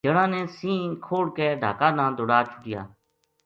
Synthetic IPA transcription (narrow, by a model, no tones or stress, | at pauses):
d͡ʒəɽãːnɛ̃ːsĩːkʰoːɽkɛːɖʱa̰ːkãːnãːd̪ʊɽaːt͡ʃʰʊʈɪja̰ː